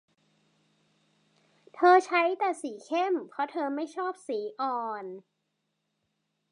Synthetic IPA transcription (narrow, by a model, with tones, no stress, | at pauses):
t̪ʰɤː˧t͡ɕʰa˦˥jt̪ɛː˨˩siː˩˦kʰe˥˩mpʰɾɔ˦˥t̪ʰɤː˧ma˥˩jt͡ɕʰɔː˥˩p̚siː˩˦ʔɔː˧n